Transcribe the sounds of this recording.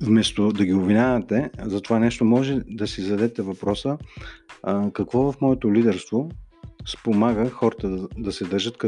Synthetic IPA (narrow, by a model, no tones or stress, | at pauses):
vmɛst̪od̪ɐɡʲiovinʲavɐt̪ɛzɐt̪ovanɛʃt̪omɔʒɛd̪ɐsizɐd̪ɛt̪ɛvɐpɾɔsə | kɐkvɔvɐfmɔɛt̪olid̪ɛɾst̪vospomaɡəxɔɾət̪əd̪d̪ɐsɛd̪ɤɾʒət̪k